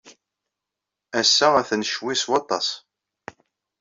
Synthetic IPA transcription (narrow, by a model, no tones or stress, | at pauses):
æsːææθnʃwiswɑt̪ˤːɑsˤ